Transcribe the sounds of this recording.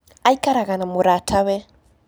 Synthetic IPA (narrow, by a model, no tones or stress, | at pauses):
aikaɾaɣanamuɾatʰaβɛ